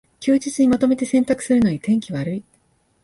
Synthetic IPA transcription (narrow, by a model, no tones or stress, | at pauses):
kʲɨːd͡ʑit͡sɨɲ̟imat̪o̞me̞t̪e̞sẽ̞nt̪akɯ̥sɨɾɯ̟no̞ɲ̟it̪ẽ̞ŋkʲiβaɾɯ̟i